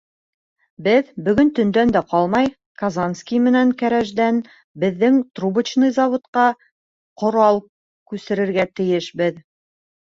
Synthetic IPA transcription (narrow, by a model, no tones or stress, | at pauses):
bɘðbɵ̆ɡɵnt̪ɵ̆nd̪ænd̪æqɑlˠmɑj | kɐzanskʲijmɘ̆næŋkæɾæʒd̪æn | bɘ̆ðːɘŋt̪rubɘ̆t͡ɕnɤjzɑvŏt̪qɑ | qŏɾɑlˠ | kʉsɘ̆ɾɘ̆ɾɡæt̪ɘ̆jɘʃbɘð